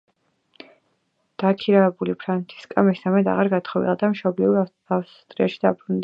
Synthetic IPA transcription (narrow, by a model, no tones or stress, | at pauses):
d̪̥akʰiɾaɛbulipʰɾant̪sʰi̥skʼamisamɛd̪a̰ʁaɾɡat̪ʰχɔvḭlˠad̪amʃɔbliu | afst̪ʼɾiaʃid̪abɾund̪